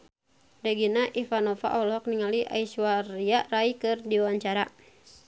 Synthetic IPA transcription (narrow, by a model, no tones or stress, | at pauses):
daɡinaʔifanofa̰ʔɔlɔk̚niŋaliʔa̰isuaɾiaʔraikɨrdiwaɲt͡ʃaɾa